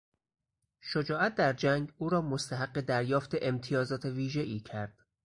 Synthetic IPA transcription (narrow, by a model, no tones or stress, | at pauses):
ʃod͡ʒɒːʔæt̪̚ʰd̪æɾd͡ʒæŋɡuːɾɒːmost̪ʰæɦæɢːe̞d̪æɾjɒːft̪ʰe̞ʔemt̪ʰijɒːzɒːt̪ʰe̞viːʒeʔiːcʰæɾd̪̥